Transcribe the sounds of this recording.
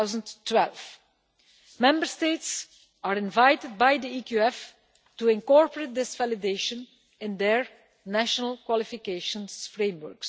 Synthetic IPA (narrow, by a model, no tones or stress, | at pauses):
wzə̃nttːwɛlv | mɛ̃mbəɹsteɪts | aɹɪ̃nvajtɪd̚bajd̪iikjuɛf | tuɪ̃nkɔɹpəɹet̚d̪ɪsv̥ælɪdeɪʃə̃n | ɪ̃nd̪ɛɹ | næʃənəlˠkwɔlɪfɪkeɪʃə̃nsfɹẽmwə̰ɹks